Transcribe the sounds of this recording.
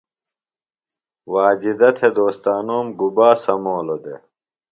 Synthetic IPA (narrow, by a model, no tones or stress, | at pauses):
waːd͡ʑid̪ɐt̪ʰed̪oːst̪aːnoːmɡubaːsɐmoːlod̪ḛ